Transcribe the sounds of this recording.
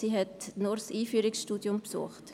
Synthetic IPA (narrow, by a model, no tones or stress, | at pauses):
siɦɛtnɔɾsiːfyːɾɪksʃtuːdjʊmpsṵːχt